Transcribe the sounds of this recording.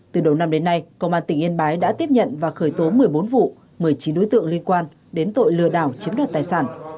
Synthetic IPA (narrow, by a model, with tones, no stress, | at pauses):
t̪ɨ˨˩ɗə˨˩wna˧mɗe˨˦nːa˧jkə˧wʔaː˧nt̪ï˧˩ŋʔi˧nɓaː˨˦jɗa̰ː˧˥t̪i˦˥əp̚ɲə̰˧˨nvaː˨˩xəː˧˩jt̪o˨˦mɨ˨˩əjɓo˨˦nvṵ˧˨ | mɨ˨˩əjt͡ɕi˨˦nɗo˨˦jt̪ɨ̰˧˨əŋli˧ənkwaː˧n | ɗe˨˦nt̪o̰˧˨jlɨ̰˧˨əɗaː˧˩wt͡ɕi˨˦əmɗɔa˨˩t̚t̪aː˨˩jsaː˧˩n